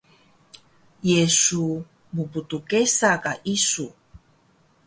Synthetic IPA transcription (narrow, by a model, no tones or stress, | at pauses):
jesu | muputukesakaʔisu